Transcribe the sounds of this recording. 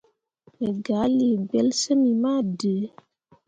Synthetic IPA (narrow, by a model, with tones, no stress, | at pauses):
me˨ɡa˨˦li˨ɡ͡bɛ˦lsə˦mi˨ma˦˨də˨˦